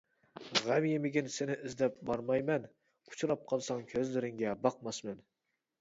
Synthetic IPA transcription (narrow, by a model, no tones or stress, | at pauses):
ʁæmjemɪɡʲɪnsɪnɪʔɪzd̪ɛp̚bɑɾmɑjmɛn | ʊ̥t͡ʃʰuɾɑp̚qʰɑlˠsɑŋkʲʰøzlɪɾɪŋɡʲɛbɑq̚mɑsmɛn